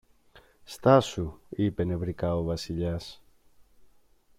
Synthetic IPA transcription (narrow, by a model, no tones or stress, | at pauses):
st̪asuipeneβɾikaoβasiʎas